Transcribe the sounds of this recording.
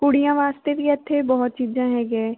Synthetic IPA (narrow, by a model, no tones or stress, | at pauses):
kuɽijãːʋaːst̪ebʱiət̪ʰːebɔɦʊt̪̚t͡ʃiːd͡ʒãːɦɛːɡɛː